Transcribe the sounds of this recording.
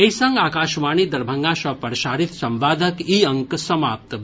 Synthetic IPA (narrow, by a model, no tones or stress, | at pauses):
eisɐ̃ŋɡaːkaːʃʋaːɳiːd̪ɐɾbʱɐŋɡaːʃɐpɐɾʃaːɾit̪sɐ̃mʋaːd̪ʱəkiːɐ̃ŋksɐmaːp̚t̪